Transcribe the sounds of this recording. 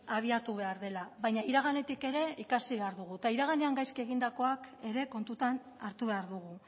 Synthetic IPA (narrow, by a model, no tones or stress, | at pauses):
aβ̞iat̪uβe̞aɾðe̞laβajɲaiɾaɣ̞ane̞t̪ike̞ɾe̞ikasiβe̞aɾðuɣ̞ut̪aiɾaɣ̞aneaŋɡajskie̞ɣind̪ako̞ake̞ɾe̞ko̞nt̪ut̪an | aɾt̪uβe̞aɾðuɣu